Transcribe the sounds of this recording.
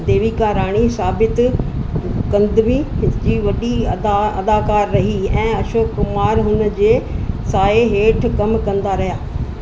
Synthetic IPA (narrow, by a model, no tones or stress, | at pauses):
d̪eːʋikãɾaːɽ̃isaːbɪt̪ | kɐ̃nd̪miɦɪt̪d͡ʑiːʋɐɗiɐd̪aːkaːɾːɐɦiɛ̃ːɐʃoːkːʊmaːɾɦʊnd͡ʑeːsaːeɦeːʈʰkɐmkɐ̃nd̪aɾɐɦijaː